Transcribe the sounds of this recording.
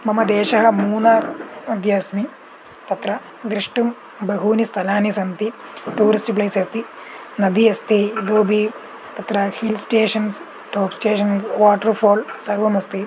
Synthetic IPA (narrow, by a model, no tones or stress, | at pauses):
mɐmɐd̪eːʃɐɦɐ̆muːnaːɾɐd̪jɐsmi | t̪ɐt̪ɾɐ | d̪ɾiʂʈum | bɐɦuːnist̪ʰɐlaːnisɐnt̪iʈuːɾisʈplɐjsɐst̪ʰi | nɐd̪iɐst̪ʰid̪oːbʱi | t̪ɐt̪ɾɐhilsʈeːʂɐns | ʈoːpsʈeːʂɐnsʋaːʈɐɾpʰoːlsɐɾʋɐmɐst̪ʰi